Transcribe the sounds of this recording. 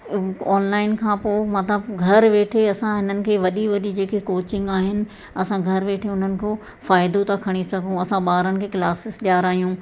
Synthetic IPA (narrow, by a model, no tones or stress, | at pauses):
ɔːnlaːɪnkʰãːpoːmɐt̪ləbɡʱɐɾʋeːʈʰeɐsãɦɪnənɪ̆kʰeːʋɐɗiʋɐɗid͡ʑeːkekoːt͡ɕɪ̃ŋɡaːɦɪnɪ̆ | ɐsãɡʱɐɾʋeːʈʰeʊn̤ənɪ̆kʰoː | faːɪd̪ot̪akʰɐɽ̃isɐɡʱũɐsãɓaːɾənɪ̆kʰeːkɪlaːsɪsɗjaːɾaːɦijũ